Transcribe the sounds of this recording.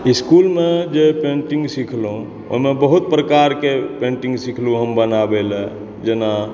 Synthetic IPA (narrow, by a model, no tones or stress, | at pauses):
iskulmed͡ʒepeɳʈĩŋɡsikʰlũ | o̰ɦimebəɦut̪̚pɾəkaɾkepẽɳʈĩŋɡsikʰluɦəmbənabelɛ | d͡ʒena